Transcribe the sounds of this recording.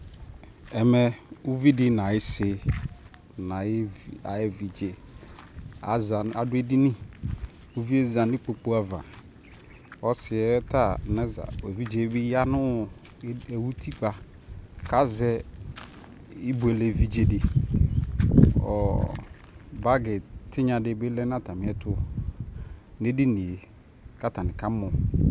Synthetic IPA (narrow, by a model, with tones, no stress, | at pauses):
ɛ˨mɛ˨u˦vi˦dɪ˦nã˨ɪ˦sɪ˨ | nã˨˦˨a̰˨ɛ˦vi˨d͡ʒe˨ | a̰˨za˨a˨dʊ˦e˦di˦nĩ˦ | u˦vi˦e˦zã˨nɪ̃˦k͡po˨k͡po˦a˨va̰˨ | ɔ˦sɪ˨ɛ˦ta˦˨nɛ˦za̰˨e˨vi˦d͡ʒe˨˦bi˦ja˦nʊ̃˦˨ | e˨wu˦tʰi˦k͡pa˨ | ka˦zɛ˦ | i˦bʊ˨ɛ˨le˨vi˦d͡ʒe˨dɪ˨ | ɔ̰˨ | ba˦ɡɛ˨tɪ˦ɲã˨dɪ˨bɪ˦lɛ˦n˦a˦˨ta˨mɪ̃˨˦ɛ˨tʰʊ˦ | ne˦di˦nĩ˨e˨ | ka˦ta˨nɪ̃˨ka˦mʊ˨